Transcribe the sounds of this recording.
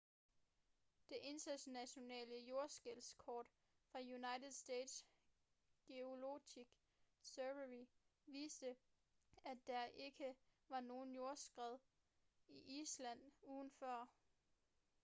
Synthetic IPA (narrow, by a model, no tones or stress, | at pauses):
d̥e̝ʔe̝nd̥ɐɕnæɕo̝nɛ̰ːləjo̝ɐsɡ̥elskʰɒ̰ːd̥ | fʁɑ̈junɑ̈ɪt͡seð̩ˠsd̥ḛːd̥s | ɡ̥eo̝lo̝ɡiɡ̥ | søʋəi | ʋiːsd̥ə | æ̥æɐʔe̝ɡ̥əʋɑ̈no̝ːn̩jo̝ɐsɡ̥ʁɛð̞̰ˠ | iʔiːslæn̰uːðˠn̩fɶɐ̰